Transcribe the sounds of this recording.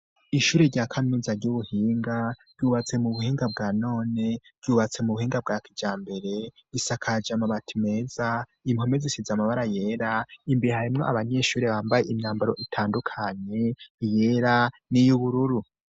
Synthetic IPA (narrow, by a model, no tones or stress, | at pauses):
iʃuːɾeɾɟaːkʰaminizaɾɟuβuhiːŋɡaɾjuːβat͡se̞muβuhiːŋɡab̚ɡaːno̞ːne̞ɾ̥ɟjuːβat͡se̞muβuhiːŋɡab̚ɡaːkid͡ʒaːmbeɾe̞isakʰad͡ʒamaβatʰime̞za | im̥ho̞mezisizamaβaɾaje̞ɾaimbeɾehaɾimŋo̞ʔaβaɲe̞ʃuːɾeβaːmbajeʔimɲaːmbaɾo̞ʔitʰaːndukʰaɲe̞ije̞ɾa | nijuβuɾuɾu